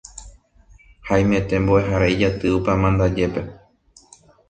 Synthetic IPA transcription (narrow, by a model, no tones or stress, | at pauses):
hajmẽt̪ẽ̞mboe̞ɦaɾaid͡ʒat̪ɨupamãnd̪ad͡ʒe̞pe̞